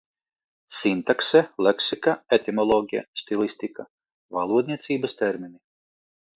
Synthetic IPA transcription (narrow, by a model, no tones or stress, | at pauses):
sint̪aksɛleksikaet̪imɔlˠɔːɡʲija̰st̪ilˠisʲt̪ika | valˠuɔd̪̚ʲnʲiɛt̪siːbɐst̪ɛɾmini